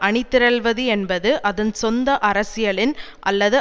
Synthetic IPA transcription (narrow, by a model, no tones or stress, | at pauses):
ʔɐɳɪt̪ːɪɾɐlʋɐðɯɛnbɐðɯʔɐðɯnsɔnd̪ɐʔɐɾɐsɪjɐɭɪn | ʔɐ̰lːɐðɯ